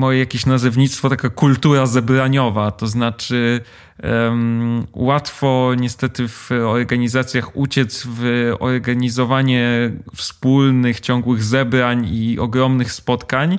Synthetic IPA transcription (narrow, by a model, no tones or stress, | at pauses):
mɔjɛjakʲeɕnazɛvɲit̪st̪fɔt̪akakult̪uɾazɛbɾaɲɔvat̪ɔznat͡ʂɘ | mwat̪fɔɲɛst̪ɛt̪ɘvɔɾɡaɲizat̪sʲjaxut͡ɕɛt̪svɔ̰ɾɡaɲizɔvaɲɛfspulnɘxt͡ɕɔŋɡwɘɣzɛbɾaɲiɔ̰ɡɾɔmnɘxspɔt̪kaɲ